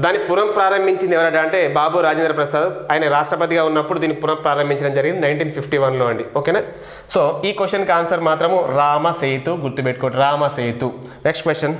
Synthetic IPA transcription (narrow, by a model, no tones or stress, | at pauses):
d̪aːnːipuɾɐmpɾaːɾɐmbʱiɲt͡ʃind̪iɛʋɐɾɐɖaɐɳʈe̞ːbaːbuːɾaːd͡ʒend̪ɾɐpɾɐsaːd̪aːjnɐɾaːʂʈɾɐpɐt̪iɡaːunːɐpːuɽud̪iːnːipuɾɐmpɾaːɾɐmbʱiɲt͡ʃɐɽɐmd͡ʒɐɾɡind̪inɐjɳʈiːnpʰipʰʈiʋɐnloːɐɳɖioːkeːnaː | soːiːkosʈɐnkaːnsɐɾmaːt̪ɾɐmuɾaːmɐseːjt̪uɡuɾt̪ubeʈ̚ːkoːʈiɾaːmɐseːt̪u | neksʈkʋesʈjɐn